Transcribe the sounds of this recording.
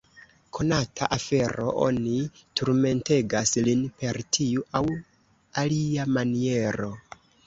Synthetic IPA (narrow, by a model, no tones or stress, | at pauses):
kʰo̞natʰa̰ʔafe̞ɾo̞̰ʔo̰nituɾme̞nte̞ɡaslinpe̞ɾtʰiuʔaw | aliamanie̞ɾo̞